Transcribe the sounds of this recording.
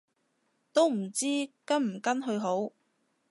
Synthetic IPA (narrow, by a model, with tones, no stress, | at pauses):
t̪o˥wm̩˨˩t͡siː˥kɐ˥nm̩˨˩kɐ˥nɦɵ˧ɥɦo˨˥w